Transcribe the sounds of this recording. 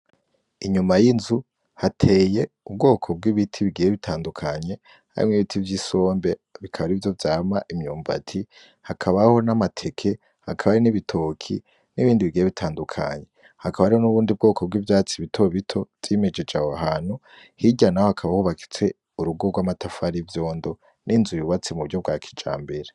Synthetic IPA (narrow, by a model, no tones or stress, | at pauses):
iɲumajinzu | hatʰe̞ːje̞ | ub̚ɡo̞ːkʰo̞b̚ɡiβitʰiβiɡijeβitʰaːndukʰaɲe̞ | ha̰ɾḭmŋwiβitʰivjiso̞ːmbe̞βikʰaβaɾivjo̞vjaːmaʔimɲuːmva̰tʰi | hakʰaβaho̞namatʰe̞kʰe̞ | hakʰaβaɾiniβitʰo̞ːkʰḭ | niβiːndiβiɡijeβitʰaːndukʰa̰ɲe | hakaβaɾionuβuːndib̚ɡo̞ːkʰo̞b̚ɡiːvjaːt͡siβitʰo̞βitʰo̞v̥ime̞d͡ʒe̞d͡ʒahoaɦaːn̥hu | hiɟanahohakʰaβahuβaki̥t͡se̞ | uɾuɡo̞ɡwaːmatafaɾivjo̞ːndo̞ | nʔinzujuβat͡simuβuɾɟob̚ɡwakʰi̥d͡ʒa̰ːmbe̞ɾe